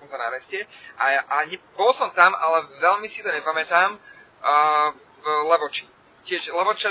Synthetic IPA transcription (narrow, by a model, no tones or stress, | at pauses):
ɔmzana̰ɾɛscɛʔaaɲɛbɔlˠsɔmt̪amalɛʋɛʎmisit̪ɔɲɛpamɛt̪aːm | vlɛʋɔt͡ʃi | cɪɛʃlɛʋɔt͡ʃa